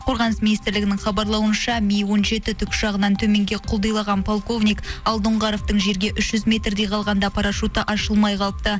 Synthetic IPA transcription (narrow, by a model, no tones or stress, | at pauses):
qʰo̞ɾʁɑnəsmʲijnist̪ɪɾlɪɡʲɪnɪŋχɑbɑɾlˠɑwənʃɑmʲijwo̞nʒe̞t̪ɪt̪ʰʏkʲʒ̥ɑʁənɑnt̪ʰɵme̞ŋɡʲe̞qʰʊlˠd̪ɑjlˠɑʁɑnpʰolˠko̞vnʲijkɑlˠd̪ʊɴʁɑɾoft̪əɴʒe̞ɾɡʲe̞ʔʏʃʒ̥ʏzmʲe̞t̪rd̪ejqʰɑlˠʁɑnd̪ɑpʰɑɾɑʃut̪əʔɑʃəlˠmɑjqʰɑlˠəp̚t̪ə